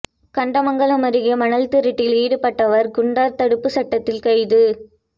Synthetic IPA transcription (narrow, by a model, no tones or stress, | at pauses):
kɐɳɖɐmɐŋɡɐɭɐmɐɾɯɣɐmɐnɐlt̪ɪɾɪʈːɪliːɽɯpːɐʈːɐʋɐɾɡʊɳɖaːɾt̪ɐɽɯpːɯsɐʈːɐt̪ːɪlkɐɪðɯ